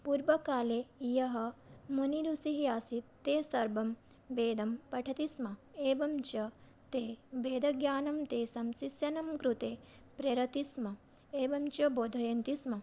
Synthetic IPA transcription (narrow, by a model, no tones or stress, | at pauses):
puːɾʋɐkaːleːijɐɦɐ̆muniɾusiɦijaːsit̪ːeːsɐɾbɐm | beːd̪ɐmpɐʈʰɐt̪ismɐeːʋɐmt͡ʃɐ | t̪eːbeːd̪ʱɐɡjaːnɐmt̪eːsɐmsisjɐnɐmkɾut̪eː | pɾɐɾɐt̪ismɐ | eːʋɐmt͡ʃɐboːd̪ʱɐjɐnt̪ismɐ